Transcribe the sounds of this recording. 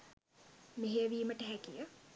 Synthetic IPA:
meɦejəʋiːməʈəɦækijə

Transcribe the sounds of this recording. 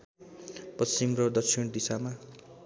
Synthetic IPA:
pʌst͡ɕimrʌd̪ʌksʰind̪isama

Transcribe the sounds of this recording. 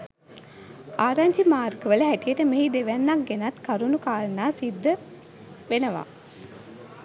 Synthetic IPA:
aːɾaɲd͡ʒimaːrɡəʋələɦæʈijəʈəmeɦid̪eʋænːak̚ɡenat̪kaɾunukaːlnaːsid̪ːə | ʋenəʋa̰ː

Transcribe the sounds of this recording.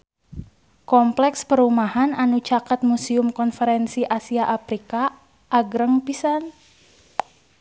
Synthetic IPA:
kɔmplɛkspəɾumahananut͡ʃakat̪̚musiʊmkɔnfəɾɛnsiʔasiaʔapɾika | ʔaɡɾəŋpisan

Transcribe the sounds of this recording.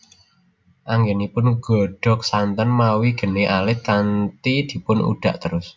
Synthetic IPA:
ʔaŋɡenipʊnɡ̥ɔ̤ɖ̥ɔ̤k̚sant̪ənmawiɡ̥ə̤neʔalɪt̪̚kant̪id̪̥i̤pʊnṵɖ̥a̤ʔt̪əɾʊs

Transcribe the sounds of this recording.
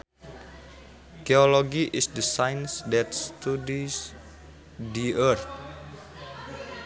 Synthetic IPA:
keoloɡiʔisdəsajnsdɛt̪̚st̪udis | diərt̪̚

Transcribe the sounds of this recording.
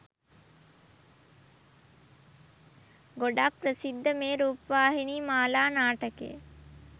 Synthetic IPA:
ɡoɖappːɾəsid̪ːəmeːɾuːpʋaːɦiniːmaːlaːnaːʈəkḛ

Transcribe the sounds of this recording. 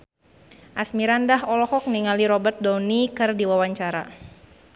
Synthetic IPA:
ʔasmiɾandaɦɔlɔhɔk̚niŋaliɾɔbərt̪̚dɔwnikɨrdiwawaɲt͡ʃaɾa̰

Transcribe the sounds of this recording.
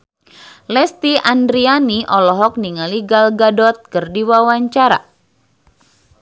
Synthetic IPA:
lɛst̪iʔandɾianiʔɔlɔɦɔk̚niŋaliɡalɡadɔt̪̚kɨrdiwawaɲt͡ʃaɾa̰

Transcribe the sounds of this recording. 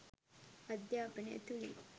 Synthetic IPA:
ɐd̪jaːpəɳḛt̪uɭḭ

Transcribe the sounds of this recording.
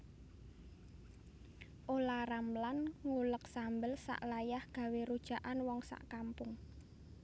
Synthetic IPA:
ʔolaramlanŋulək̚sambəlsa̰ʔlajahɡ̥a̤weɾud̥ʒ̥a̤ʔanwɔŋsa̰ʔkampʊŋ

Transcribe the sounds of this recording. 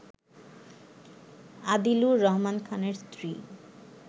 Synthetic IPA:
ad̪iluɾɔɦmankʰaneɾst̪ɾi

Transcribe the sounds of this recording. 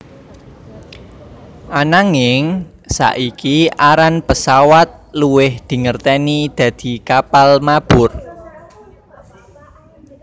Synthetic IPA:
ʔanaŋɪŋ | sa̰ʔikiʔaɾanpəsawat̪̚luwɪhd̪̥i̤ŋərt̪ɛnid̪̥ä̤d̪̥i̤kapalmab̥ʊr

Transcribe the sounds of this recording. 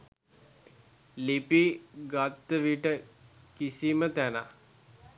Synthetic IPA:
lipiɡat̪ːəʋiʈə | kisimət̪æna

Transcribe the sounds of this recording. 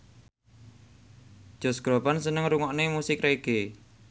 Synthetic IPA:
d̥ʒ̥ɔ̤sɡ̥ɾopansənəŋɾuŋɔʔnemusɪkɾeɡ̥e

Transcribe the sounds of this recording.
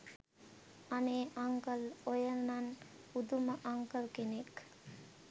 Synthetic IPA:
aneːʔaŋkəlojənnan | ud̪uməʔaŋkəlkenek

